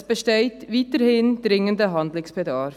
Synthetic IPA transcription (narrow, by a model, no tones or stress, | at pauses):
b̥əʃtɛɪtviːtəɾhɪndɾɪŋəndəɦɑndlɪksb̥ədɑɾ